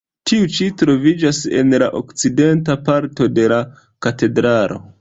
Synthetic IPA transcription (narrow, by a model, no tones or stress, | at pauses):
tʰiut͡ʃitɾo̞vid͡ʒase̞̰nlaʔo̞̰kt͡side̞ntapaɾto̞de̞la | kate̞dɾalo̞̰